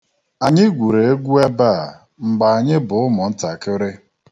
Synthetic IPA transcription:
a˨ɲɪ˦ɡʷu˨ɾe˨e˦ɡʷu˦e˦ba˦˨ | ŋ͡m̩˨ɡ͡ba˨a˨ɲɪ˦bʊ˨ʊ˦mʊ˨n̩˦ta˨kɪ˦ɾɪ˦

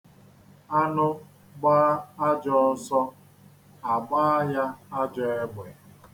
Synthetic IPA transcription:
a˦nʊ˦ | ɡ͡baː˦a˦d͡ʒɔ˦sɔ˦ | a˨ɡ͡baː˦ja˦a˦d͡ʒɔ˦e˦ɡ͡be˨

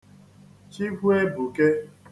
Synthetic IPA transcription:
t͡ʃi˦ɡʷu˦e˦bu˨ke˦

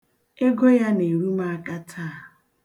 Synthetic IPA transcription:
e˦ɡo˦ja˦ne˨ɾu˦ma˦a˦ka˦tʰa˦˨

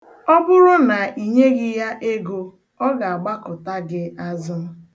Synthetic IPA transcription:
ɔ˦bʊ˦ɾʊ˦na˨ʔi˨ɲe˦ɡɪ˦ja˦ʔe˦ɡo˦ | ɔ˦ɡa˨a˨ɡ͡ba˦kʊ˨ta˦ɡɪ˦a˦zʊ˦m̩˦

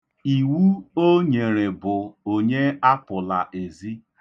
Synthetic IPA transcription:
i˨wu˦o˦ɲe˨ɾe˨bʊ˨o˨ɲe˦a˦pʊ˨la˨ʔe˨zi˦

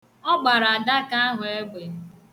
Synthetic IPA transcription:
ɔ˦ɡ͡ba˨ɾa˨da˦ka˦ɦʊ˨e˦ɡ͡be˨

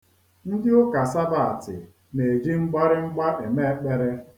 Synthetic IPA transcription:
n̩˦dɪ˦ʊ˦ka˨sa˦ba˨tɪ̰˨ | ne˨d͡ʒi˦ŋ͡m̩˦ɡ͡ba˦ɾɪ˦ŋ͡m̩˦ɡ͡ba˦ʔe˨me˦k͡pe˦ɾe˦

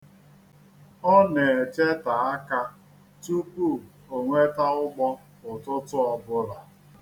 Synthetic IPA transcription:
ɔ˦ne˨e˨t͡ʃe˦ta˨a˦ka˦ | tu˦pu˦˨ | o˨ŋʷe˦ta˦ʊ˦ɡ͡bɔ˦ | ʊ˨tʊ˦tʊ˦ɔ˨bʊ˦ɾa˨

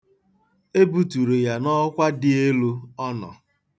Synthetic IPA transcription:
e˦bu˨tu˨ɾe˨ja˨nɔ˦kʷa˦dɪ˦e˦lu˦ɔ˦nɔ̰˨

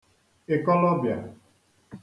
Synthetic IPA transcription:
e˨kɔ˦lɔ˦bja̰˨

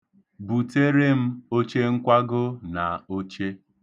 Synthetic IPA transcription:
bu˨te˦ɾe˦m̩˦o˦t͡ʃe˦ŋ̩˦kʷa˦ɡʊ˦na˨o˦t͡ʃe˦

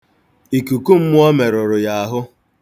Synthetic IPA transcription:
i˨ku˨ku˦m̩˦mʊ˦ɔ˦me˨ɾʊ˨ɾʊ˨ja˨a˨ɦʊ˦

